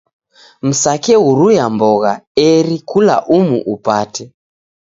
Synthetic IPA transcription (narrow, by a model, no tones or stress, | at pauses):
m̩sakɛuɾujambɔɣaɛɾikula̰ʔumṵʔupatɛ